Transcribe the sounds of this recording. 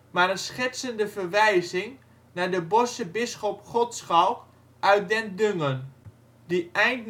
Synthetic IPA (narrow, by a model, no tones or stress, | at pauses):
maɾənsχɪtsəndəvərʋɛjzɪŋ | nadəbɔsəbɪsχɔpχɔtsχawk | ʔœɥt̚dɛndøŋən | dəɛjnt